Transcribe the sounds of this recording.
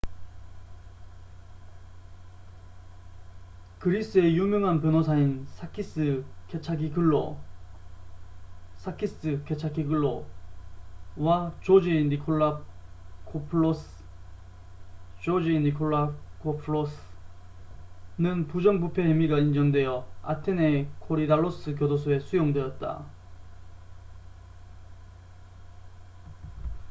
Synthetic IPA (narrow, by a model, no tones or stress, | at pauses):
kɯɾis͈ɯe̞jumjʌŋɦanpjʌnosʰainsʰakʰis͈ɯket͡ɕʰakiɡɯɭːo̰ | sʰakʰis͈ɯket͡ɕʰakʰiɡɯɭːo | wat͡ɕod͡ʑinːikʰoɭːa | kʰopʰɭos | t͡ɕod͡ʑinːikʰoɭːakʰopʰuɭos | nɯnpud͡ʑʌŋbupʰe̞hemiɡaind͡ʑʌŋdwe̞jʌa̰tʰene̞kʰoɾidaɭːos͈ɯk̬jʌdosʰoe̞sʰujoŋdwe̞jʌt̚t͈a̰